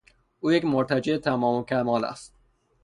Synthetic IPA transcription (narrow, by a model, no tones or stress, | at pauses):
ʔuːjecmoɾt̪ʰæd͡ʒeet̪ʰæmɒːmokʰʲæmɒːlæ̰st̪̚